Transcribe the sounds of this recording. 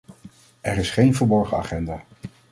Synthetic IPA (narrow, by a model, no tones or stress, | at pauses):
ɛɹɪsχejnvəɹbɔɹχəa̰ːχɛndaː